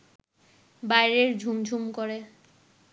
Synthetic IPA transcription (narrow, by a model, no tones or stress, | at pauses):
bajɾeɾd͡ʑʱumd͡ʑʱumkoɾe